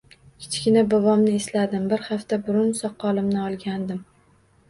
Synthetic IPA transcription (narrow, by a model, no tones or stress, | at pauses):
kʲʰɪ̥t͡ʃkʲɪnabʊvɒmnɪeslad̪ɪmbɪɾhaft̪abʊɾʊnsɒqʰːɒlɪmnɪɒlˠɡʲand̪ɪm